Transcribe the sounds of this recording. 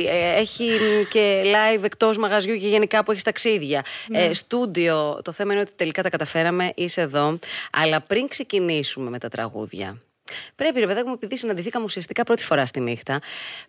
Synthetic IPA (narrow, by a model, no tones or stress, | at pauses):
eçice̞lɐjve̞kt̪o̞zmɐɣɐzʝuceʝe̞nikɐpueçist̪ɐksiðʝɐst̪ud̪io̞t̪o̞θemɐineot̪it̪e̞likɐt̪ɐkɐt̪ɐfe̞ɾɐme̞ʔiseðo̞ɐ̰lɐpɾiŋkse̞cinisume̞me̞t̪ɐt̪ɾɐ̰ɣṵðʝɐ̰ | pɾe̞piɾepeðiexumepiðisinɐnd̪iθikɐmusiɐst̪i̥kɐpɾo̞t̪i̥fo̞ɾɐst̪inixt̪ɐ